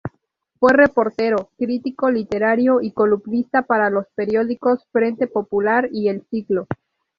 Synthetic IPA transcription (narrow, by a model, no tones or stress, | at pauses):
fwe̞re̞po̞ɾt̪e̞ɾo̞kɾit̪iko̞lit̪e̞ɾaɾjo̞ʔikolupnist̪apaɾalo̞spe̞ɾjo̞ðiko̞sfɾe̞nt̪e̞po̞pulaɾie̞lsiklo̞